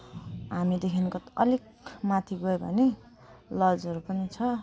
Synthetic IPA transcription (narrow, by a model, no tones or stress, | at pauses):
ɦamid̪ekʰinkoʌlik̚ | mat̪ʰiɡoebʱʌ̰ne | lʌd͡zʌɾupʌnit͡sʰʌ